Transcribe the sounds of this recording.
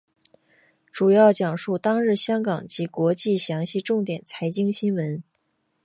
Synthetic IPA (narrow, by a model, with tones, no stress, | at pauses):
ʈ͡ʂu˨˩jɑ˥˩ʊt͡ɕjɑ˨˩ŋʂu˥˩t̪ɑ˥ŋɻɻ̩˥˩ɕjɑ˥ŋkɑ˨˩ŋt͡ɕi˧˥kwɔ˧˥t͡ɕi˥˩ɕjɑ˧˥ŋɕi˥˧ʈ͡ʂʊ˥˩ŋt̪jɛ˨˩nt͡sʰa˧˥ɪt͡ɕi˥ŋɕi˥nwə˧˥n